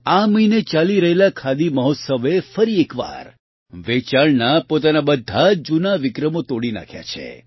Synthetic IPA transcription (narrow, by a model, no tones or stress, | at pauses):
aməinet͡ʃaliɾəɦelakʰad̪iməɦɔt̪səʋefəɾiekʋa̰ɾ | ʋet͡ʃaɭnapot̪anabəd̪ʱːad͡ʒunaʋɪkɾəmot̪oɽina̰kʰja̰t͡ʃʰḛ